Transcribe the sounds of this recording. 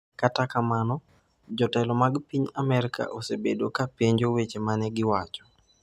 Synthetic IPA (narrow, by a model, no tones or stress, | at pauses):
katakamanɔ | d͡ʒɔtɛlɔmaɡpiɲamɛɾɪka̰ʔosebedokapeɲd͡ʒowet͡ʃemanɛɡɪwat͡ʃɔ̥